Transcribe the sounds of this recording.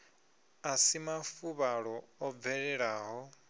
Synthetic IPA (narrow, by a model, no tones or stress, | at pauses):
asimafuβaɺɔɔvɛɺɛɺaːɦɔ